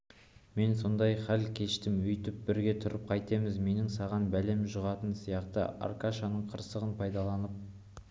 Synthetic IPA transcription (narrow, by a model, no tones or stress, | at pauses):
me̞nso̞nd̪ɑjχælkʲʰe̞ʃt̪ɪmʏjt̪ɪp̚bɪɾɡʲe̞t̪ʰʊɾəp̚qʰɑjt̪e̞mɪzme̞nɪŋsɑʁɑnbæle̞mʒʊʁɑt̪ənsijɑqt̪ə̰ʔa̰ɾkaʃanəɴqʰəɾsəʁənpʰɑjd̪ɑlˠɑnəp̚